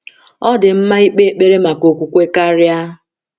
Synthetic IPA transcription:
ɔ˦dɪ˨m̩˦ma˦i˦k͡pe˦e˦k͡pe˦ɾe˦ma˨ko˨kʷu˨kʷe˦ka˦ɾja˦

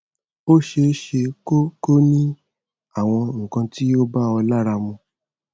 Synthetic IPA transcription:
o˦ʃe˧˦ʃe˧ko˦ko˦nĩ˦ | a˦˨w̃ɔ̃˧ŋ̩˨kã˧ti˦o˦ba˦ɔ˧la˦ɾa˧mũ˧

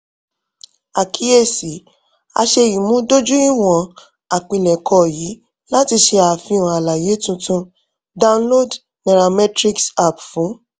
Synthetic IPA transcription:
a˨kʰi˦e˦˨si˨˦ | a̰˧ʃe˧ji˨mũ˨˦do˦d͡ʒu˦i˦w̃ɔ̃˨ | a˨k͡pĩ˨lɛ˨kʰɔ˧˨ji˨˦ | la˦ti˧ʃe˧a˨fĩ˧ũ˨a˨la˨je˨˦tũ˧tũ˦ | da˦˧ũ˧˦nlo˦d | nɛ˨ɾa˧mɛ˦tɾi˦ksa˦˨pfũ˨˦

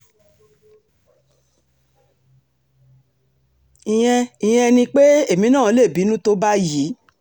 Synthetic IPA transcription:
i˨j̃ɛ̃˧i˨j̃ɛ̃˧nĩ˧k͡pe˦e˦˨mĩ˨˦nã˦˨˦le˦˨bi˨˦nũ˦to˧ba˦ji˨˦

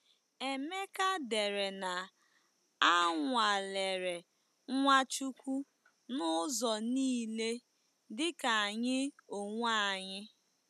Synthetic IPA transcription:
e˨me˦ka˦de˨ɾe˨na˨ | a˦ŋʷa˨le˨ɾe˨˦ | ŋʷa˦t͡ʃu˦kʷu˦ | nʊ˦zɔ˨niː˦le˦ | dɪ˦ka˨a˨ɲɪ˦o˨ŋʷa˦˨ɲɪ˦

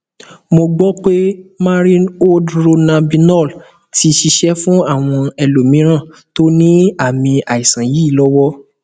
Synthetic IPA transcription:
mo˧ɡ͡bɔ˦k͡pe˦mãː˦ɾi˦o˦dɾo˧nã˧bi˧nɔ˦˨l | ti˧ʃi˧ʃɛ˦fũ˦a˦˨w̃ɔ̃˧ɛ˧lo˨mĩ˨˦ɾ̃ã˦˨to˦nĩ˦a˦˨mĩ˧a˨i˨sã˨ji˦˨lɔ˦wɔ˦

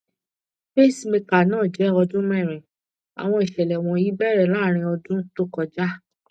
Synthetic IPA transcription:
fe˦˨si˨me˧ka˨nãː˦˨d͡ʒɛ˨˦ɔ˧dũ˦mɛ̃˦˨ɾ̃ɛ̃˨ | a̰˨w̃ɔ̃˧i˨ʃɛ˨lɛ˨w̃ɔ̃˨i˦bɛ˦ɾɛ˦˨laː˦˨ɾ̃ĩ˧ɔ˧dũ˦to˦kɔ˧d͡ʒa˦

